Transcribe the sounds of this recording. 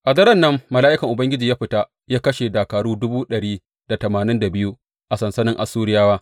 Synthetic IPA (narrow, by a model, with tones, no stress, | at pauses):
ʔa˨dɐ˦ɾɐ˦˨nːɐ˦mːɐ˨laː˦ʔɪ˦kɐ˨ŋʔʊ˨bɐ˦ŋɡʲɪ˦d͡ʒi˨jaː˦ɸɪ˨ta˦ | jaː˦kɐ˦ʃe˨daː˨kaː˨ɽuː˦dʊ˦buː˦ɗɐ˨ɽiː˦ | d̥a˨tɐ˨maː˨nɪ˦nda˨bɪ˦ju˦ | ʔa˨sɐ˨nsɐ˦nɪ˦ŋʔa̰˨sːuː˦ɽɪ˦jaː˦waː˦